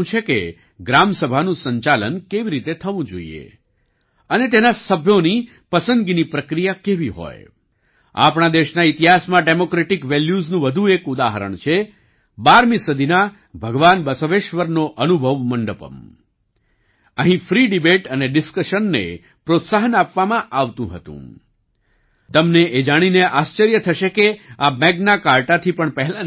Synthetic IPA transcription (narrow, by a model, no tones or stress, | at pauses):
ũt͡ʃʰekḛ | ɡɾamsəbʱanũsəɲt͡ʃalə̰nkeʋiɾit̪et̪ʰəʋũd͡ʒo̰ḭḛ | ənet̪̬enasəbʱjoni | pəsənd̪ɡinipɾəkɾijakeʋiɦɔ̰j | a̰pɳ̃ad̪eʃnait̪iɦasmãɖemokɾeʈikʋeljuznũʋəd̪ʱuekud̪aɦəɾə̰ɳt͡ʃʰe | baɾmisəd̪ʱina | bʱəɡʋanbəsoʋeʃʋəɾnoʔənubʱəʋməɳɖəpə̰m | əɦĩfɾiɖibeʈəneɖɪskəʃənːḛ | pɾot̪saɦənapʋamãʔaʋt̪ũɦət̪ṵ̃ | t̪əmneʔed͡ʒaɽ̃ineʔast͡ʃəɾjət̪ʰəʃekeamɛɡnakaɾʈat̪ʰipəɳpəɦɛla